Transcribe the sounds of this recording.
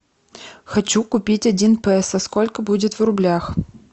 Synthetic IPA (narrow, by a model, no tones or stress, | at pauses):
xɐt͡ɕukʊpʲitʲɐdʲinpɛɛsaskolʲkəbudʲɪt̪vrʊblʲax